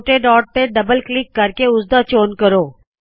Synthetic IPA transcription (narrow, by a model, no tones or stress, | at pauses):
ʈeɖɔːʈ̚t̪eɖɐbəlklɪkːɐɾkeʊzd̪at͡ʃoːnkəɾoː